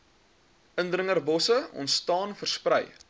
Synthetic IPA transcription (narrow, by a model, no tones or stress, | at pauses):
ʔəndrəŋərbɔsəɔ̰ntstɑːnfərsprɛj